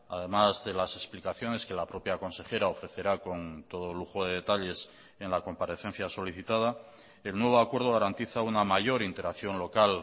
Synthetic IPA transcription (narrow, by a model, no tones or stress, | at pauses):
a̰ðe̞mazðe̞lase̞splikaθjo̞ne̞ske̞lapɾo̞pjako̞nse̞xe̞ɾao̞fɾe̞θe̞ɾako̞nt̪o̞ð̞oluxo̞ðeðe̞t̪aʎe̞s | enlako̞mpaɾe̞θẽ̞n̟θjaso̞liθit̪að̞a | e̞lnwe̞β̞o̞akwe̞ɾð̞o̞ɣ̞aɾant̪iθaunamaʝo̞ɾint̪e̞ɾaθjo̞nlo̞kal